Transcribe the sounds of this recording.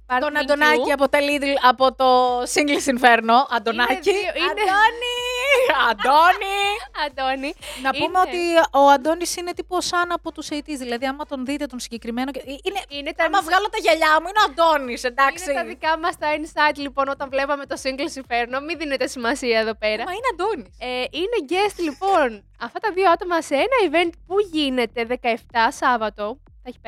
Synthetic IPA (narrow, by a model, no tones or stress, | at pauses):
pɐt̪onɐnd̪onɐiɐpot̪elid̪ilɐpo̞t̪o̞siŋɡlisiɱfeɾno̞ʔɐnd̪o̞nɐcid̪oniɐnd̪oniɐnd̪oninɐpumeo̞t̪ioɐnd̪o̞nisine̞t̪iposɐnɐpot̪usejt̪izðilɐðiɐmɐt̪o̞nðit̪et̪o̞nsiɲɟe̞kɾime̞noceiinenet̪mɐvɣɐlot̪ɐʝɐʎɐmuineoɐnd̪o̞nisend̪ɐksit̪ɐðikɐmɐst̪ɐinsɐjd̪lipo̞not̪ɐnvlevɐme̞t̪o̞siŋɡlosifeɾno̞minðinet̪e̞simɐsiɐeðo̞peɾɐmɐineɐnd̪o̞niseineɟest̪lipo̞n | ɐft̪ɐt̪ɐðioɐt̪o̞mɐseenɐive̞nt̪̚puʝine̞t̪e̞ðekɐeft̪ɐsɐvɐt̪o̞ | θɐeçi̥